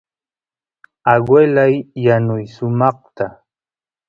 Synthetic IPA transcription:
aɡwelajːanʊjsʊmɑχt̪a

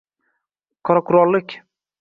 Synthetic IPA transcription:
qʰɒɾakʰʊɾɒlˠːɪkʲ

